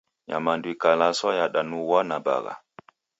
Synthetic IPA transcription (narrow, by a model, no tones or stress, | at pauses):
ja̰mandwikalasɔjaɗanuwanaba̰ɡa̰